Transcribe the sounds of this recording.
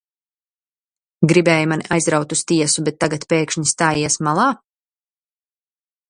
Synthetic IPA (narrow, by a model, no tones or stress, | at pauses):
ɡɾibɛːjumanʲiʔajzɾawt̪ust̪iɛsubɛt̪ːaɡat̪peːkʃɲist̪aːjiɛsmalˠaː